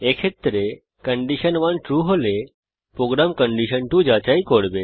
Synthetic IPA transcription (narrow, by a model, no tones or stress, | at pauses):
ekʃʰet̪ɾe | kəɳɖiʃənʋãnʈɾuɦole | pɾoɡɾamkəɳɖiʃənʈũd͡ʒat͡ʃaikoɽbe